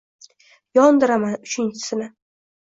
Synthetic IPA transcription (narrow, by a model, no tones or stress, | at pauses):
jɒnd̪ɪɾamanʊt͡ʃʰɪnt͡ʃʰɪ̥sɪnɪ